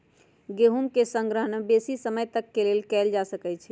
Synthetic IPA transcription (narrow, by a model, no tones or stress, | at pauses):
ɡeɦumkesə̃ŋɡɾəɦənebesisəməjt̪əkːelelkɛld͡ʒasəkɛt͡ʃʰɛ